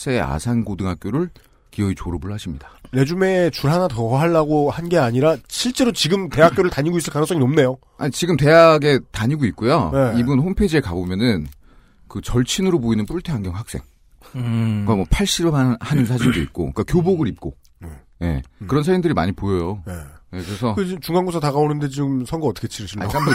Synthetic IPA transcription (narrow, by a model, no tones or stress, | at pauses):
s͈ʰea̰sʰanɡodɯŋɦak̚k͈joɾɯɭ | kiʌit͡ɕoɾobuɭːaɕʰimɲidḁɾe̞d͡ʑume̞t͡ɕuɭɦanatʌɦaɭːaɡohanɡe̞aɲiɾaɕʰiɭt͡ɕ͈e̞ɾot͡ɕiɡɯmte̞ɦakk͈joɾɯɭtaɲiɡois͈ɯɭk͈anɯŋs͈ʌŋiʌmne̞jo | aɲit͡ɕiɡɯmte̞ɦaɡe̞taɲiɡoit̚k͈ujojeibunɸompʰed͡ʑieɭkabomjʌnɯn | kɯt͡ɕʌɭt͡ɕʰinɯɾopoinɯnp͈uɭtʰeɦaŋɡjʌŋɦak̚s͈e̞̰ŋ | amʌpʰaɭɕ͈iɾɯmhaɲims̬ʰaɕʰindoḭt̚k͈o̰ikakjoboɡɯɾip̚k͈o | e | je̞̰kkɯɾʌnsʰaɾimndɯɾima̰ɲipojʌjonejekɯɾesʰʌkɯt͡ɕimt͡ɕuŋaŋɡosʰʌtaɣaonɯnde̞t͡ɕiɡɯmsʰʌŋɡoʌt͈ʰʌ̥kʰet͡ɕʰiɾɯɕʰiɭːa